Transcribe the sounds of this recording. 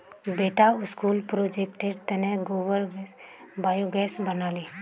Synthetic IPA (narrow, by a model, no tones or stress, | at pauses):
beːʈaʊskuːlpɾod͡ʒekʈeɖt̪ɛnɛ̃ɡoːʋəɾɡ | baːjoɡɛːsbənaːli